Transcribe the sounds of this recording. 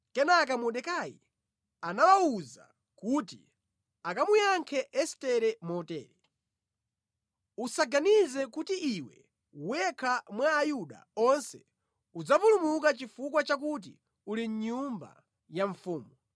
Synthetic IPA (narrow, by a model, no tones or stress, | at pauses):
kɛnak̬amɔɗɛkaji | anawauza̰ | kuti | akamujaŋkʰɛʔɛstɛɾɛmɔtɛ̰ːɾɛ | usaɡanizɛkutiʔiwɛ̰ | wwɛkʰamwaːjuɗa̰ɔnsɛ | ud͡zavulumuk̬at͡ʃifukwat͡ʃak̬ut̬ḭ | uliɲɲumba̰ | jaɱfuːmɔ